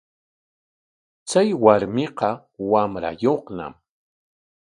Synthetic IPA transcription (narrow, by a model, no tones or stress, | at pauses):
t͡sajwaɾmɪqɑ | wamɾa̰joχna̰m